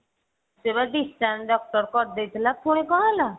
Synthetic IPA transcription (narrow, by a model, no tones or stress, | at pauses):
sebaɖisʈanɖɔk̚ʈɔɾkɔɾd̪et̪ʰlapʰoɽ̃ẽkɔɦãla